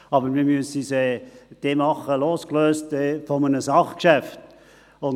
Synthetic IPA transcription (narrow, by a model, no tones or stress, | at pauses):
ɑbəɾmimyəsisɛd̥emɑχəloːskløːstɛfɔmənəsɑχkʃæft | ʊn